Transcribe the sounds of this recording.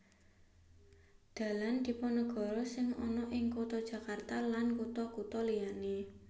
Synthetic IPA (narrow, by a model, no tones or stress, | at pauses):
d̪̥ä̤land̪̥i̤pɔnəɡ̥ɔ̤ɾɔsɪŋɔ̰nɔʔɪŋkot̪ɔd̥ʒ̥ä̤kart̪alankut̪ɔkut̪ɔlijane